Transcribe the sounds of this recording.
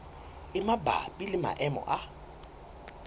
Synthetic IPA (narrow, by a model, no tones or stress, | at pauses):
ɪmaba̰bʼilɪma̰ʔɛmɔ̰ʔa